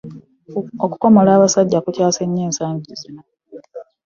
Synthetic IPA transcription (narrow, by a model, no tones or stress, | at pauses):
oku̥ko̞molaːβasaɟːakucaːse̞ɲːeːnsaːɲɟizino̞